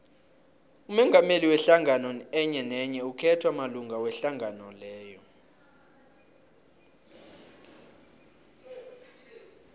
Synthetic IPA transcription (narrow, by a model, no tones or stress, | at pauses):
umɛŋɡʱameliwɛɬaŋʱanɔɛɲɛnɛɲɛukʰɛtʰwamaluŋɡʱawɛɬaŋʱanɔlɛːjɔ